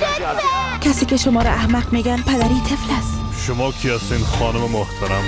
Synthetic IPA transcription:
kʲʰasɪkʲaʃʊmɒɾaːhmaqme̞ɡʲanpʰad̪aɾit̪ʰeflas | ʃʊmɒkʲʰɪjasɪnχɒnɪmɪmʊht̪ʰaɾam

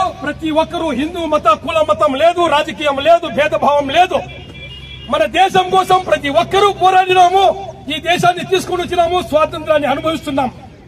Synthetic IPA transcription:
pɾɐt̪iʋɔkːɐɾuɦind̪umɐt̪ɐkuːlɐmːɐt̪ɐmleːd̪uɾaːd͡ʒɐkiːjɐmleːd̪ubʱɛːd̪ɐbʱaːʋɐmleːd̪u | mɐnɐd̪ɛːʃɐmkoːsɐmpɾɐt̪̬iʋɔkːɐɾupɔːɾaːɽinaːmuiːd̪ɛːʃaːnːit̪iskoɳɖut͡ʃːinaːmusʋaːt̪ɐnt̪ɾaːnːiɐnubʱɐʋist̪unːaːm

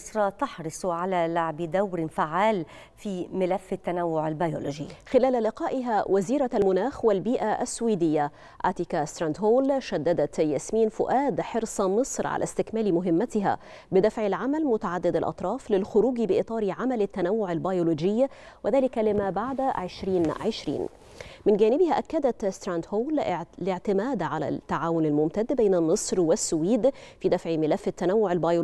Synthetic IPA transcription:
sɾˤɑt̪ɑħɾɨsˤʕalalaʕbɪd̪awɾɪfaʕːaːl | fiːmɪlafːɪt̪ːanawːʊʕalbjolod͡ʒɪ̰jːxɪlæːlalɪqɑːʔɪɦawʔaziːɾalmʊnaːxwalbiːʔaʔa̰sːʊwiːd̪ɪjːa | ʔa̰ːt̪ikast̪ɾand̪ɦoːlʃad̪ːad̪at̪jasmiːnfʊʔaːd̪ħɪɾsˤɑmɨsˤɾʕa̰lʔa̰st̪ɪkmaːlmʊɦɪmːat̪ɪɦa̰ | bɪd̪æfʕɪlʕamælmʊt̪aʕad̪ːɪd̪ɪlʔɑ̰t̪ˤɾˤɑːflɪlxʊɾuːɡibɪʔɨt̪ˤɑːɾiʕamælɪt̪ːænæwːʊʕɪlbɑjoloːd͡ʒɪjːa | wɪðæːlɪkælɪmæːbaʕd̪ʕɪʃɾiːnʕɪʃɾḭːn | mɪnɡæːnɪbɪhæʔækːæd̪æt̪st̪ɾand̪hoːllɪʕt̪ɪmæːd̪ʕalæ̰t̪ːaʕaːwʊnɪlmʊmt̪æd̪ːbejːnæmːɨsˤɾwɪsːʊwiːd̪fiːd̪æfʕimɪlæfːɪt̪ːænæwːʊʕɪlbɑjo

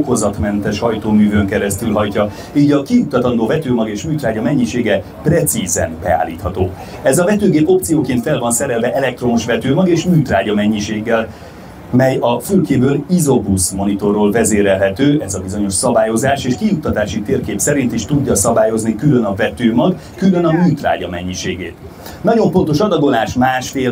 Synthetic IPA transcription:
kozɒt̪mɛnt̪ɛʃhɒjt̪oːmyːvøŋkɛɾɛst̪ylɦɒjcɒ | iːɟɒkijut̪ːɒt̪ɒnd̪oːvɛt̪øːmɒɡeːʃmyːt̪raːɟɒmɛɲːiʃeːɡɛ | prɛt̪sizɛ̰nbɛa̰ːlːḭːt̪hɒt̪o̰ː | ɛzɒvɛt̪øːɡeːpo̞pt̪sijoːkent̪fɛlvɒnsɛɾɛlvɛʔɛlɛk̚t̪ro̞moʃvɛt̪øːmɒɡeːʃmyːt̪raːɟɒmɛɲːiʃeːɡːɛl | mɛjɒfylkeːbøːlizo̞busmo̞nit̪o̞rːoːlvɛzeːɾɛlɦɛt̪øːɛzɒbizo̞ɲo̞ʃsɒbaːjo̞zaːʃeːʃkijut̪ːɒt̪aːʃit̪eːrkeːpsɛɾint̪iʃt̪uɟːɒsɒbaːjo̞znikylønɒvɛt̪øːmɒɡ | kylø̞nɒmyːt̪ra̰ːɟɒmɛɲːiʃeːɡeːt̪ | nɒɟo̞ɱfo̞nt̪oʃɒd̪ɒɡo̞naːʃmaːʃfeːl

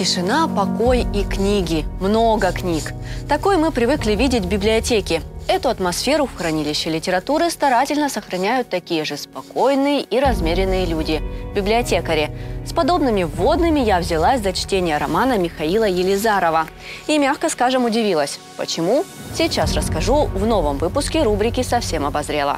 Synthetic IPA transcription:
tʲɪʂɨnapɐko̞jiknʲiɡʲɪmno̞ɡəknʲikt̪ɐko̞jmɨpɾʲɪvɨklʲɪvʲidʲɪtʲbʲɪblʲɪɐtʲekʲɪɛt̪ʊɐt̪mɐsfʲe̞ɾʊfxɾɐnʲilʲɪɕːɪlʲɪtʲɪɾɐt̪uɾɨst̪ɐɾatʲɪlʲnəsəxɾɐnʲæjʊt̪ːɐkʲijəʐɨspɐko̞jnɨjəʔiɾɐzmʲeɾʲɪnːɨjəlʲudʲɪbʲɪblʲɪɐtʲe̞kəɾʲɪspɐd̪o̞bnɨmʲɪvo̞d̪nɨmʲɪjavzʲɪlˠasʲd̪ɐt͡ɕtʲenʲɪjəɾɐmanəmʲɪxɐilˠəjɪlʲɪzaɾəvə | imʲaxkəskaʐɨmʊdʲɪvʲilˠəsʲ | pə̰t͡ɕɪmusʲijt͡ɕasrəskɐʐuvno̞vəmvɨpʊskʲɪɾubɾʲɪkʲɪsɐfsʲe̞mɐbɐzɾʲelˠə̰

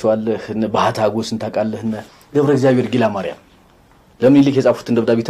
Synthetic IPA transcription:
t͡ʃwalːəhnbahat̪ʰaɡosɨnt̪ʰakʼalːəhɨnːə | ɡəβɾəɡzjaβheɾɡilamaɾja̰m | ləmɨnilːɨkjɛsʼafu̥t̪ʰɨnd̪əβd̪aβit̪ʰ

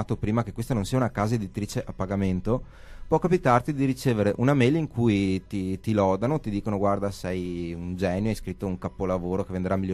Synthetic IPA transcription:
at̪opɾiːmakekwest̪anõnsiːaunakaːzaed̪it̪ɾiːt͡ʃeʔapːaɡament̪o | pwɔkapit̪art̪id̪iɾit͡ʃeːveɾeʔunameliŋkʰujt̪it̪ilɔd̪anot̪id̪iːkonoɡward̪asɛjund͡ʒɛːnjoajskɾit̪ːouŋkapːolavoːɾokevend̪eɾamːiljo

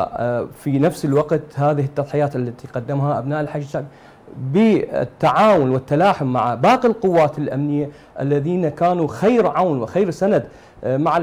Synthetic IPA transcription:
finafsɪlwɑqt̪haːðɪɦɪt̪ːɑðˤħɪjaːt̪ʔalːat̪iqɑd̪ːɪmhaʔabnaːʔɪlħaʃʃaɡ | bɪ̰t̪ːaʕaːwʊnwɪt̪ːalaːħʊmːa̰ʕabaːqilqʊwːaːt̪ɪlʔamnɪjːa | ʔalːaðiːnakaːnuxajɾʕawnwɪxajɾsanad̪ | maʕa

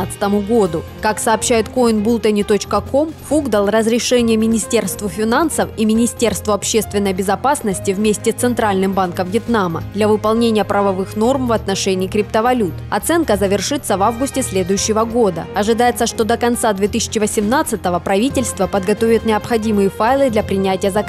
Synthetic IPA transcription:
t̪sɨ̥t̪əmʊɡo̞d̪ʊkaksɐːpɕːæjɪt̪koɪnbulˠt̪ənʲɪt̪o̞t͡ɕkəko̞mfuɡd̪əlˠrəzɾʲɪʂɛnʲɪjəmʲɪnʲɪsʲtʲe̞rst̪vʊfʲɪnansəfimʲɪnʲɪsʲtʲe̞rst̪vʊɐpɕːe̞st̪vʲɪnːəjbʲɪzɐpasnəsʲtʲɪvmʲesʲtʲɪt̪sɨnt̪ɾalʲnɨmbankəmvjɪt̪namə̰d̪lʲɐvɨpɐlˠnʲenʲɪjəpɾɐvɐvɨxno̞rmvɐt̪nɐʂɛnʲɪːkɾʲɪp̚t̪əvɐlʲut̪ɐt̪sɛnkəzəvʲɪrʂɨt̪sːəvavɡʊsʲtʲɪsʲlʲe̞d̪ʊjʉɕːɪvəɡo̞d̪ə̰ɐʐɨd̪ajɪt̪səʂt̪od̪əkɐnt̪sad̪vʲet̪ɨsʲɪ̥t͡ɕɪvəsʲɪmnat̪sɨt̪əvəpɾɐvʲitʲɪlʲst̪vəpəd̪ɡɐt̪o̞vʲɪt̪nʲɪɐpxɐdʲimɨjəfajlˠɨd̪lʲɐpɾʲɪnʲætʲɪjəzɐk

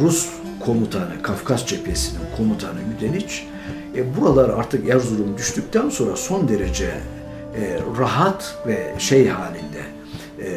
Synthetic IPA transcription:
ɾus | kʰo̞mut̪ʰanɯkʰafkʰazt͡ʃʰepʰesininkʰo̞mut̪ʰanɯmyd̪ʰenit͡ʃ | buɾalˠaɾaɾt̪ʰɯkjæɾzuɾumd̪yʃt̪yc̚ʲt̪ʰænso̞nɾa̰so̞nd̪e̞ɾe̞d͡ʒɛ | ɾaɦat̪vɛʃejɦaːlʲind̪ɛ̰

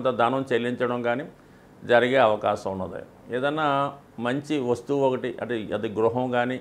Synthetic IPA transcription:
nt̪ɐd̪aːnɐmt͡ʃelːiɲt͡ʃɐɽɐmɡaːniː | d͡ʒɐɾiɡeːɐʋɐkaːʃɐmunːɐd̪ḭ | eːd̪ɐnːaː | mɐɲt͡ʃiʋɐst̪uokɐʈiʔɐ̰ʈːeɐd̪iɡɾuɦɐmɡaːni

